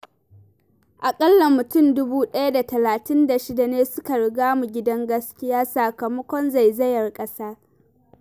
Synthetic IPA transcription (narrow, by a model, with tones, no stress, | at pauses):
ʔa˨kʼɐ˦lːa˨mʊ˨tʊ˦˨ndʊ˦buː˦ɗɐ˦ja˦da˨tɐ˨laː˨tɪ˦nda˨ʃɪ˦da˨neː˦sʊ˦ka˨ɽɪ˨ɡaː˦mu˨ɡʲɪ˦dɐ˦ŋɡɐ˦skʲɪ˦jaː˦sa˨kɐ˨mɐ˦kʷɔ˦nza˨jzɐ˦jɐ˨rkʼɐ˦saː˦